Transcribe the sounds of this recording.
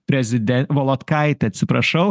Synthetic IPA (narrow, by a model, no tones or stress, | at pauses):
pʲɾʲɛzʲɪd̪ʲɛnʋɔlˠɔt̪kɐɪt̪ʲɐt̪ʲsʲɪpɾɐʃɐʊ